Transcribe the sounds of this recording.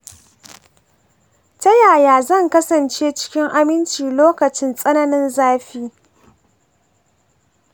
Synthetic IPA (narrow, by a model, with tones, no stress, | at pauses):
tɐ˦jaː˨jaː˨zɐ˦˨ŋkɐ˦sɐ˨nt͡ʃeː˦t͡ʃɪ̥˦kʲɪ˦ŋʔa˦mɪ˦nt͡ʃiː˨loː˦kɐ˨t͡ʃɪ˦nsʼɐ˦nɐ˦nɪ˦nzaː˦ɸiː˦